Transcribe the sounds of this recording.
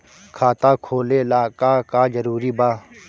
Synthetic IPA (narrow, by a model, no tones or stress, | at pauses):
kʰaːt̪aːkʰoːleːlaːkaːkaːd͡ʒəɾuːɾiːbaː